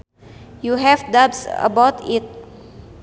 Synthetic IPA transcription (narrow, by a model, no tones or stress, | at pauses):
juɦɛfdabsə̰bawt̪it̪̚